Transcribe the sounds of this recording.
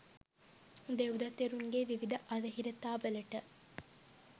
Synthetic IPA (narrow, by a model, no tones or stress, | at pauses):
d̪eud̪ɐt̪eɾuŋɡeʋiʋid̪ɐʔɐd̪ɐɦiɾɐt̪aːʋəlɐʈə